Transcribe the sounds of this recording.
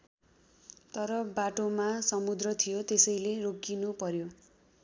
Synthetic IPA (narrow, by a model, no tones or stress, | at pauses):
t̪ʌɾʌbaʈomasʌmud̪rʌt̪ʰijot̪esʌjleroɡinupʌɾjo